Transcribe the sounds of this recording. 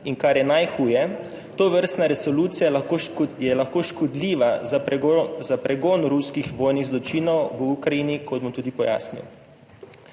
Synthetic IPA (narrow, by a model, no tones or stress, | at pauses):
iŋkaɾjɛnajxuːjɛ | t̪oːʋəɾst̪naɾɛsɔluːt̪sijaojɛlaxkoːʃkɔd̪liːʋa | zapɾɛɡoːnɾuskixʋoːjniɣzlɔt͡ʃiːnɔwʋukɾaiːnikɔd̪̚bɔmt̪uːd̪ipɔja̰ːsnḭw